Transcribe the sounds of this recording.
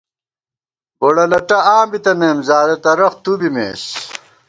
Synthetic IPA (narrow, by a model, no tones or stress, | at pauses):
boɽɐlɐʈɐaːmbit̪ɐneːmzaːɾɐt̪ɐɾɐχt̪ubimḛːs